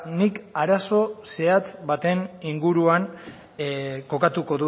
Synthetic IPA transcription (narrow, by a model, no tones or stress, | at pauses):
nikaɾaso̞se̞at͡sβat̪e̞niŋɡuɾuan | ko̞kat̪uko̞ðu